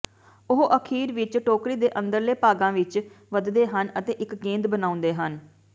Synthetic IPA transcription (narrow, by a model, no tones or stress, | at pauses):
ʊɦoʔəkʰiːɾʋɪt͡ʃʈoːkɾiːd̪eːʔə̃nd̪əɾleːpaːɡãːʋɪt͡ʃ | ʋəd̪d̪eːɦənət̪eːʔɪkɡẽːnd̪bənaːʊ̃nd̪eːɦən